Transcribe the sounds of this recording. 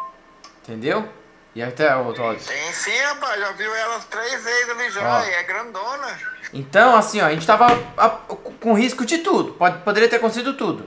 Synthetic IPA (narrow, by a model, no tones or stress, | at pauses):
ẽt̪ẽnd̪ew | ɪat̪ɛt̪ɔd͡ʒ̪ẽsĩɐ̃paʒaviwɛlɐst̪ɾejzvezzɐviʒãɔ̃iɛɡɾɐ̃d̪õnɐḛ̃t̪ɐ̃w̃asĩɔaɐʒẽt͡ʃɪ̥t̪avɐakõɦiskʊd͡ʒɪt̪ud̪ʊpɔpod̪eɾiɐt̪eɾkõseɡid̪ʊt̪ud̪ʊ